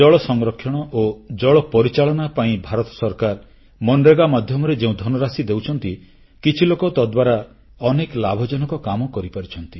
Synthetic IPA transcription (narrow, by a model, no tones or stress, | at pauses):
ɔɭɔsɔŋɾɔkʰːjɔɽ̃ɔʔod͡ʒɔɭɔpɔɾit͡ʃaɭɔnapaĩbʱaɾɔt̪ɔ̥sɔɾkaɾ | mɔnɾeɡamad̪ʱjɔmɔɾed͡ʒeũd̪ʱɔnɔɾasid̪ewt͡ʃʰɔnt̪i | kit͡ʃʰilokɔt̪ɔd̪waɾa | ɔneklabʱɔd͡ʒɔnɔkɔkamɔkɔɾipaɾit͡ʃʰɔnt̪i